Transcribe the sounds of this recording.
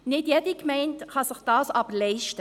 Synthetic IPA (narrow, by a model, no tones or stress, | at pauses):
nɪdjɛdikmɛɪntχɑsɪχd̥ɑːsɑbəɾlɛɪʃtə